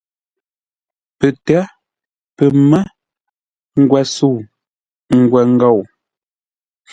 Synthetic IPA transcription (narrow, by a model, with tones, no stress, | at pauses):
pə˨tɛ˨˦ | pə˨mɛ˦ | ŋ̩˦˨ɡwɛ˨su˦˨ | ŋ̩˨ɡwɛ˨ŋ̩˦ɡa˦˨w